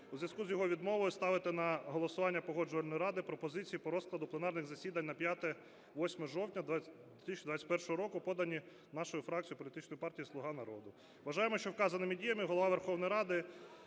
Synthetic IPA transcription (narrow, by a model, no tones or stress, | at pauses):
uzʲʋjʲɐskuzjɔɦɔʋʲid̪mɔʋɔjʊst̪ɑʋɪt̪ɪnɐɦɔlˠɔsʊʋɑnʲːɐpɔɦɔd͡ʒʊʋɐlʲnɔjɾɑd̪ɪpɾɔpɔzɪt͡sʲijipɔɾɔsklˠɐd̪ʊplˠenɑrnɪɣzɐsʲid̪ɐnʲnɐpʲjat̪ɛ | ʋɔsʲmɛɔʒɔwtʲnʲɐd̪ʲ | et̪ɪsʲt͡ʃid̪ʋat͡sʲːɐt̚ʲpɛrʃɔɦɔɾɔkʊpɔd̪ɐnʲi | nɑʃɔjʊfɾɑk̚t͡sʲijʊpɔlʲit̪ɪt͡ʃnɔjʊpɑrtʲijislˠʊɦɑnɐɾɔ̰d̪ʊ | ʋɐʒɑjemɔʃt͡ʃɔwkɑzɐnɪmidʲijɐmɪɦɔlˠɔʋɑʋerxɔwnɔjɾɑd̪ɪ